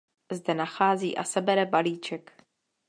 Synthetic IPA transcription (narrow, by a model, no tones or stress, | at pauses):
zdɛnaxaːzḭːʔa̰sɛbɛɾɛbaliːt͡ʃɛk